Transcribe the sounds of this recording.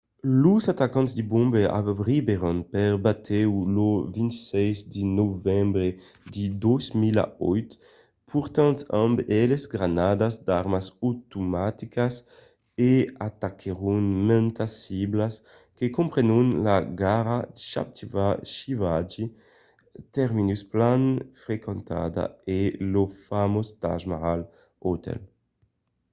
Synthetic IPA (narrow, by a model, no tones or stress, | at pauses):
luzat̪akãnzd̪ibũmbea̰bbʁibeʁɔnpɛɾbat̪ʰɛwlovĩnt̪sɛjzd̪inovɛmbɾe | d̪id̪ɔzmila̰ɔjt̪ | pʰuɾt̪ãnt̪ambɛlezɡɾanad̪azd̪aɾmasot̪umat̪ikas | eat̪akʰeʁunmɛ̃nt̪asiblas | kekõmpɾenunlaɡaʁaʃa̰p̚t̪vaʃivad͡ʒi | t̪ɛɾminusplanfɾekẽnt̪a̰d̪a̰elofamost̪a̰ʒmaʁal | ot̪ɛ̰l